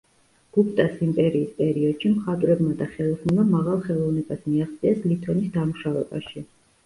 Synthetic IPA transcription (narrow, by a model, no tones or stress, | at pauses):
ɡ̥upʰʼt̪ʼasimpʼɛɾiːspʼɛɾiɔd̪̥ʃimχat̪ʼvɾɛbmad̪aχɛlˠɔsnɛmamaʁalˠχɛlˠɔvnɛbasmiaχt̪sʼiɛslit̪ʰɔnisd̪amuʃavɛba̰ʃi